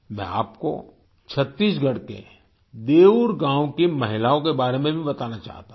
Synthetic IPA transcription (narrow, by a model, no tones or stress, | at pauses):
mɛ̰̃a̰ːpko̰ | t͡ʃʰɐt̪ːiːsɡʱɐɽkḛ | d̪eːuɾɡãːwkemɐɦɪlaːõkebaːɾemẽbʱibɐt̪aːnat͡ʃa̰ːɦt̪a